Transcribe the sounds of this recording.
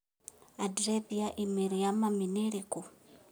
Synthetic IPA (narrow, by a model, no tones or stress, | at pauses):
adɾebiaʔimiɾijamaminiɾikʼu